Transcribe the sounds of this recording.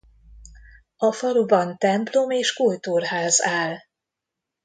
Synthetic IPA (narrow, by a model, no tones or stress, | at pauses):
ɒfɒlubɒnt̪ɛmplo̞meːʃkoːjt̪urɦaːzaːl